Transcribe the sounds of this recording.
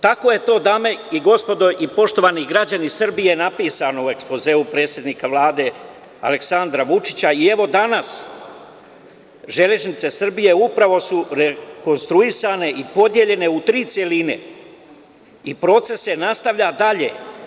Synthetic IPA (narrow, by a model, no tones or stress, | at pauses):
t̪ako̞ːje̞t̪o̞ːd̪ame̞iɡo̞spo̞d̪o̞jʔipo̞ʃt̪o̞ʋaniɡɾad͡ʑanisr̩bijenapiːsano̞ue̞ksplo̞ze̞ːupɾe̞ːt̪sje̞d̪nikaʋlˠaːd̪e̞ | a̰le̞ksand̪ɾaʋut͡ʃi̥t͡ɕaie̞ʋo̞d̪anas | ʒe̞le̞ʒnit̪se̞sr̩bije̞upɾaʋo̞suɾeko̞nst̪ɾuisane̞ʔipo̞d̪je̞ʎe̞ne̞ut̪ɾiːt̪sjelinḛ | ipɾo̞t̪se̞senast̪aʋʎad̪aʎe̞̰